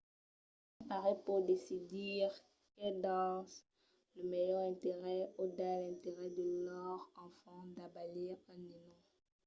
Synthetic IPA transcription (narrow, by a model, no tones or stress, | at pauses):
apaʁɛpuʁd̪esid̪iʁ | kɛld̪ɑ̃s | ləmejœʁɛ̃t̪eʁɛod̪alɛ̃t̪eʁɛd̪əlɔʁɑ̃fɑ̃d̪abaliʁɑ̃ninɔ̃